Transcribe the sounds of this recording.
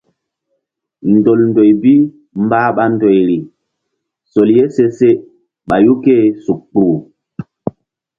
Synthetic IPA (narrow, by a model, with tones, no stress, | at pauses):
ndo˨lndo˨jbi˦ | mbaː˦ɓa˦ndo˨jɾi˨ | so˨lje˦se˦se˦ | ɓa˨ju˦ke˦su˨k̚k͡puː˨